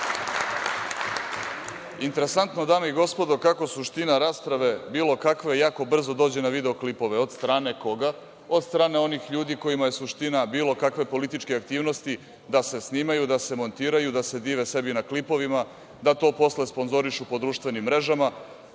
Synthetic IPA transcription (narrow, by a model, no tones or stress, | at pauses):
int̪e̞ɾe̞sant̪no̞d̪aːmeiɡo̞spo̞d̪o̞kako̞suʃt̪inaɾaːspɾaʋe̞biːlˠo̞kakʋe̞jaːko̞br̩zo̞d̪o̞ːd͡ʑe̞naʋid̪e̞o̞klipo̞ʋe̞o̞d̪st̪ɾaːne̞ko̞ɡa | od̪st̪ɾaːne̞o̞nixʎuːd̪iko̞imaje̞suʃt̪inabiːlˠo̞kakʋe̞po̞lit̪it͡ʃkeak̚t̪iːʋno̞st̪i | d̪ase̞sniːmajud̪ase̞mo̞nt̪iːɾajud̪ase̞d̪iːʋe̞se̞binaklipo̞ʋima | d̪at̪o̞ːpo̞sle̞spo̞nzo̞ɾiʃupo̞d̪ɾuːʃt̪ʋe̞nimːɾe̞ʒama